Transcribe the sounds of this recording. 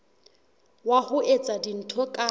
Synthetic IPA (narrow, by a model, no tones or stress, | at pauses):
wahʊet͡sʼadin̩tʰɔkʼa